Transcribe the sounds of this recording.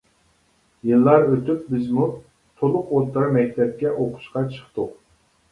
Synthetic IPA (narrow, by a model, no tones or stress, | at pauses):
jɨlˠːɑɾøt̪yp̚bɪzmu | t̪ʰolˠʊqolˠt̪ɨɾɑmɛk̚ʲt̪ʰɛp̚kʲɛʔoqʰʊ̥ʃqɑt͡ʃʰə̥χt̪ʊ